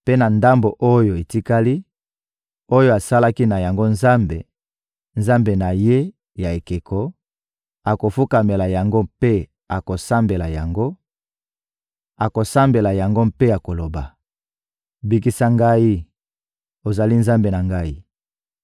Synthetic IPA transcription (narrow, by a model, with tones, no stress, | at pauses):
pe˦na˨nda˦mbo˨ʔo˦jo˨e˨ti˦ka˦li˦ | o˦jo˦a˨sa˦la˦ki˦na˨ja˨ŋɡo˦nza˦mbe˨ | nza˦mbe˨na˨je˦ | ja˨e˨ke˨kʰɔ˨ | a˨ko˨fu˦ka˨me˨la˨ja˨ŋɡo˦pe˦ | a˨ko˨sa˦mbe˨la˨ja˨ŋɡo˦ | a˨ko˨sa˦mbe˨la˨ja˨ŋɡo˦mpe˦ja˨ko˨lo˨ba˨ | bi˦ki˦sa˦ŋɡa˦ji˦ | o˨za˨li˦nza˦mbe˨na˨ŋɡa˦ji˦